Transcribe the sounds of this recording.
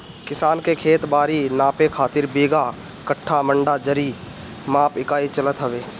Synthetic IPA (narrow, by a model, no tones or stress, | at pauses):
kɪsaːnkekʰeːt̪baːɾinaːpekʰaːt̪ɪɾbeːɡa | kəʈʰːamə̃ɳɖad͡ʒəɾiː | mãːpɪkaːit͡ʃələt̪ɦəʋeː